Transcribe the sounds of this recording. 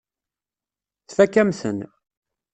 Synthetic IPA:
θfækːæmθən

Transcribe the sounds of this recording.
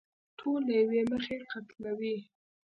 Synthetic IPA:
ʈʰolːajaweməxeqat̪lawi

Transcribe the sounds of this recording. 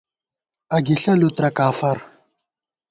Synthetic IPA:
ɐɡiɬɐlut̪ɾɐkaːfɐɾ

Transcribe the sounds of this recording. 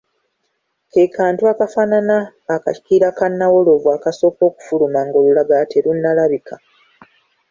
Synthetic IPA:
kekʰaːntuakafananaː | kaci̥kiɾakanːawolovwaːkaso̞ːko̞ːku̥fulumaŋɡo̞lulaɡate̞ɾunːalaβikʰa

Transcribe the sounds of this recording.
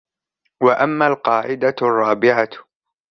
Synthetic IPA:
waʔamːaːlqɑːʕɪd̪arˤːɑːbɪʕa

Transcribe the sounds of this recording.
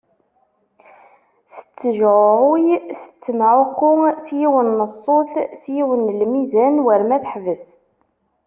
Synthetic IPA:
θə̥t͡sːəʒʕʊɾʊjθə̥t͡sːəmʕʊqːʊsjiwənːəsˤːoθsjiwənlmizænwəɾmæθəħvəs

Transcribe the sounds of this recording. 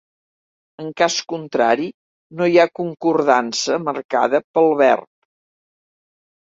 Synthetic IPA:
əŋkaskunt̪ɾaɾi | nojakuŋkurðansəmərka̰ðəpəlˠβɛ̰rp̚

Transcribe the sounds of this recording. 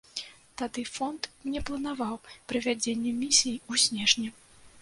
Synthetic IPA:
t̪ad̪ɨfɔnt̪nʲɛplˠɐnavawpɾɨvʲad͡zʲenʲːɛmʲisʲijusʲnʲɛʐnʲɛ

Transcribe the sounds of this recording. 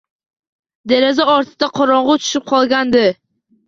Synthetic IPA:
d̪eɾazaɒɾt̪ʰɪd̪aqʰɒɾɒɴʁʊt̪ʰʊ̥ʃɪp̚qʰɒlˠɡʲand̪ɪ

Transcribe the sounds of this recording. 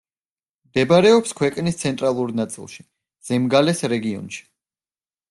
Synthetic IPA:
md̪ɛbaɾɛɔpskʰwɛkʼnist̪sʰɛnt̪ʼɾalˠuɾnat̪sʼḭlˠʃi̥ | z̥ɛmɡalɛsɾɛɡiɔ̰nʃi̥

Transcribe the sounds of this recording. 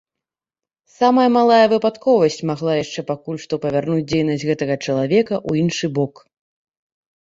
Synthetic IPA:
samɐjɐmalˠajɐvɨpat̪kɔvɐsʲt͡sʲmaɣlˠajaʂt͡ʂɛpakulʲʂt̪ɔpɐvʲarnut͡sʲd͡zʲejnɐsʲɣɛt̪ɐɣɐt͡ʂɐlˠavʲɛkɐʔuinʂɨbɔk

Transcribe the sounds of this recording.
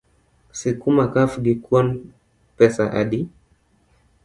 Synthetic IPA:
sikumakafɡikwan | pɛsaʔaɗi

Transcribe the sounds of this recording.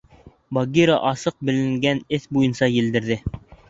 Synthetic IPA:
bɑɡʲiɾɑʔɑsɤq̚bɘ̆lɘ̆ŋɡænɘθbujɤnsɑjɘ̆ld̪ɘ̆ɾðɘ

